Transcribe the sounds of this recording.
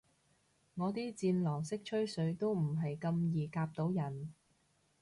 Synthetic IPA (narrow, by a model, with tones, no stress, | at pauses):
ŋɔː˨˧t̪iː˥t͡siː˧nlɔː˨˩ŋsɪ˥k̚t͡ʃʰɵ˥ɥsɵ˨˧˥ɥt̪o˥wm̩˨˩ɦɐ˨jkɐ˧mjiː˨˩kaː˧p̚t̪o˨˥wjɐ˨˩n